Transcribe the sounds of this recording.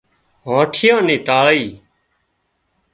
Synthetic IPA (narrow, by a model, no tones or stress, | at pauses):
ɦãːʈʰɪjãːnĩːʈaːɭiː